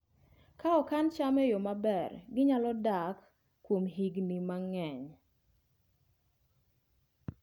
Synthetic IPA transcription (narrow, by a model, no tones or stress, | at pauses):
kaɔkant͡ʃamɛjɔmabɛrɡɪɲalɔdakː | womɦiɡnimaŋɛɲ